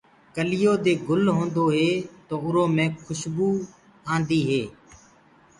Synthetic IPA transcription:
kəlɪjoːd̪eːɡʊlɦõːnd̪oːɦeːt̪oːʊɾoːmẽːkʰʊʃbuː | ãːnd̪iːɦeː

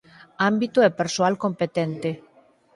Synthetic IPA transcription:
ambit̪oɛpeɾsoalkompet̪ɛnt̪e

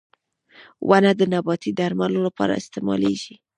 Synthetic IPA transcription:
wʔanad̪ənabɑt̪id̪aɾmalolapɑ̰ɾa̰ɪst̪ɪmɑ̰lḛʒi

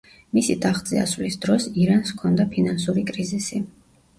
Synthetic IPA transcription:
misid̪ʼaχd̪zʼḭa̰svlisd̪ɾɔsiɾanskʰɔnd̪apʰinansuɾikʼɾizisi

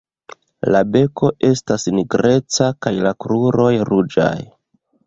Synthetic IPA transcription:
labe̞ko̞ʔe̞stasniɡɾe̞t͡sakajlakɾuɾo̞jɾud͡ʒa̰j

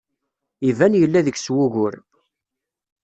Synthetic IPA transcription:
ivænjəlːæðəçswʊʝʊɾ

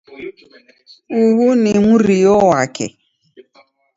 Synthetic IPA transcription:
uɦunɪmuɾijowakɪ̰

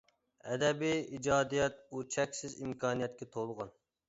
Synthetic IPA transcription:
ɛ̰d̪ɛbiid͡ʒɑːd̪ijɛt̪̚ut͡ʃʰɛkʲsɪzimkʰɑːnijɛt̪̚kʲɛt̪ʰolˠʁɑn

